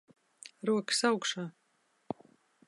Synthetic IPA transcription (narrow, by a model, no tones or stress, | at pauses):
ɾuɔksawkʂaː